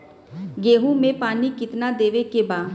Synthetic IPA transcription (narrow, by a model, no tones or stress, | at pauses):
ɡeːɦũmẽpaːnikɪt̪nad̪eːʋekebaː